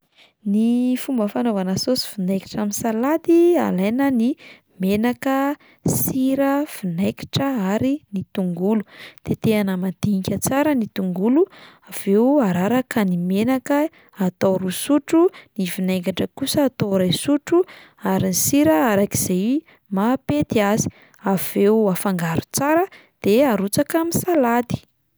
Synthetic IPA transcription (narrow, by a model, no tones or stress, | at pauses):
nifumbəfanovanasosi̥finejki̥ʈ͡ʂaminsalad̪ia̰lajnəni | menakə | siɾəfinejki̥ʈ͡ʂəaɾinit̪uŋɡulud̪̥et̪eanəmad̪̥iɲikʲət͡saɾənit̪uŋɡuluav̥eaɾaɾakənimenakə | at̪awɾusuʈ͡ʂunivineŋkaʈ͡ʂəkusəːt̪aɾajsuʈ͡ʂu | aɾinisiɾəaɾaki̥z̥ej | mapet̪iazi̥ | av̥euafaŋɡaɾu̥t͡saɾə | d̪̥eaɾut͡sakamisalad̪i̥